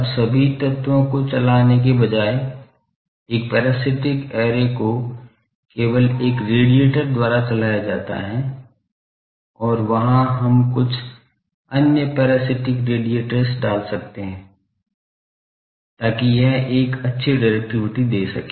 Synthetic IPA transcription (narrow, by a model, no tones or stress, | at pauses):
bsɐbʱit̪ɐt̪ʋõkot͡ʃɐlaːnek̬ebɐd͡ʒaːe | eːk̚pɛːɾaːsɪʈɪkɛːɾeko | keːʋəleːkɾeːɖieːʈəɾd̪waːɾat͡ʃɐlaːjad͡ʒaːt̪a̰ɦɛ | ɔːɾʋɐɦãɦɐmkʊt͡ʃʰ | ɐnjəpɛːɾaːsɪʈɪkɾeːɖieːʈəɾsɖaːlsɐk̚t̪eɦɛ̃ː | t̪aːkijɛɦeːkɐtːʃʰiɖaɪɾɛk̚ʈɪʋɪʈid̪eːsɐkeː